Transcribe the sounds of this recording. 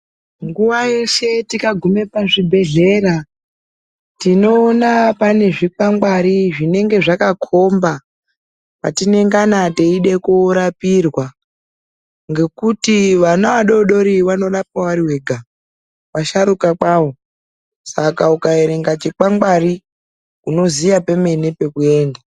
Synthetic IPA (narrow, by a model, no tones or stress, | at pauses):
ŋɡuʋajeʃe̞tikaɡʱume̞paʐibʱe̞ɮe̞ɾa | tino̞ːnapane̞ʐik͡paŋɡaɾiʐine̞ŋɡe̞ʐakakʰo̞mba | pa̰tine̞ŋɡanateiɗe̞kuɾapirwa | ŋɡe̞kutiʋanaʋaɗo̞ɗo̞ɾiwano̞ɗapawaɾiwe̞ɡʱa | waʃaɾukak͡pawo̞ | sakaukaeɾe̞ŋɡat͡ʃik͡paŋɡari | kuno̞zijapeme̞nepe̞kue̞ːnda